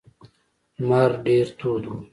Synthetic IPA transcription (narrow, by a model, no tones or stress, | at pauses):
maːɾɖeːɾt̪ʰuːd̪u